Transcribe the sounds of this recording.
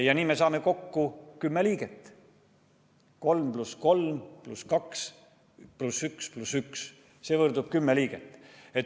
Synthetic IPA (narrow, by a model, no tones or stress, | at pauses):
jɑniːme̞sɑːme̞ko̞kːukymːeliːɡ̥et̪ˑː | ko̞lmplusko̞lmpluskɑks | plusyksplusyks | se̞ːvɤrd̪ub̥kymːeliːɡ̥et̪ːˑe̞t̪